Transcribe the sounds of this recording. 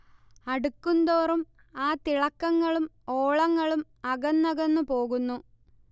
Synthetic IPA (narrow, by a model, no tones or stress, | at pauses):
ɐɽukːund̪oːrum | aːt̪iɭɐkːɐŋːɐɭum | oːɭɐŋːɐɭum | ɐɣɐnːɐɣɐnːupo̞ːɣunːu